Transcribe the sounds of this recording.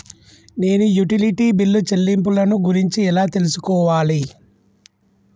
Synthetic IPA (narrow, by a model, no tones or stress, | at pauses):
ne̞ːnujuʈiliʈiːbilːut͡ʃelːimp̬ulɐnuɡuɾiɲt͡ʃiɛlaːt̪e̞lusukɔːʋaːli